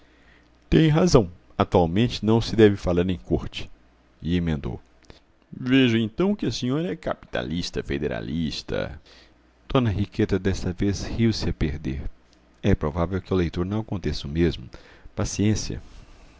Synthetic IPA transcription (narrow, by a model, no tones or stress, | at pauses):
t̪ẽj̃ɦazɐ̃w̃ | at̪uawmẽnt͡ʃɪnɐ̃w̃sɪd̪ɛvɪfalaɾnẽj̃koɾt͡ʃɪ̥ | iemẽnd̪o̰w | veʒʊẽnt̪ɐ̃w̃kɪɐsĩɲɔɾɐɛka̰pi̥t̪a̰liʃt̪ɐfed̪eɾa̰list̪ɐ̰ | d̪̥õnɐɦiket̪ɐd̪ɛst̪ɐvezhiwsɪɐpeɾd̪eɾ | ɛpɾovavewkɪʊlejt̪oɾnɐ̃w̃ɐkõnt̪esʊmezmʊpasiẽsiɐ̰